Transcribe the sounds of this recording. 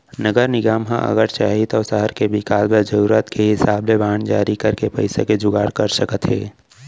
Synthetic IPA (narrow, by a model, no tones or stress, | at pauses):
nəɡəɾnɪɡaːmɦã̰ʔə̰ɣəɾt͡ʃaːɦit̪ɔːsəɦəɾkebɪkaːlbed͡ʒəɾuːɾət̪kʰeɦɪsaːblebaːɳd͡ʒaːɾikəɾkepəɪseked͡ʒʊɡaːɽkəɾsəkət̪ɦɛ̰ː